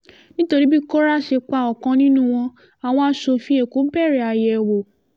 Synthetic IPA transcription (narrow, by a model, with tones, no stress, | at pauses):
nĩ˦to˧ɾi˦bi˦ko˦ɾa˦ʃe˧k͡pa˨˧˨ɔ˨kã˧nĩ˦nũ˦˨w̃ɔ̃˧ | a˨w̃ɔ̃˧a˧˦ʃo˧fĩ˦e˦˨ku˨˦bɛ˦˨ɾɛ˨a˧˨jɛ˨wo˨